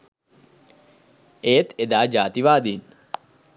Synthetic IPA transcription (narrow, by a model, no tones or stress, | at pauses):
eːt̪ed̪aːd͡ʒaːt̪iʋaːd̪iːn